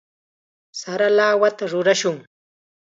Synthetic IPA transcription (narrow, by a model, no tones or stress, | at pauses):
saɾalaːwat̪aɾʊɾaʃʊŋ